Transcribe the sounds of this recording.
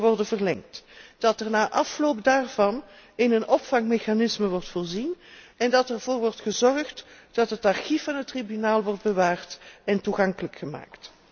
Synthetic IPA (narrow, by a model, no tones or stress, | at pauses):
ʋɔrdənvərlɛŋtd̥ɑtɛrnaːʔɑflowpdaːrvɑn | ɪnənʔɔpfɑŋmexanɪsməʋɔrtfoːrzinɛndɑtɛrvoːrʋɔrtχəzɔrχtd̥ɑtɦətɑrxifɑnɦətːribynaːlˠʋɔrd̚bəʋaːrtɛntuɣɑŋkələkxəma̰ːkt